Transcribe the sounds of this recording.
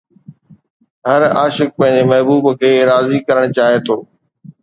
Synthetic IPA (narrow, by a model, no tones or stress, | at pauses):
ɦɐɾa̰ːʃɪk̚pɐ̃ɦɪ̃ɲd͡ʑemɐɦbuːbkʰeːɾaːzikɐɾəɽ̃t͡ɕaːɦet̪ʰoː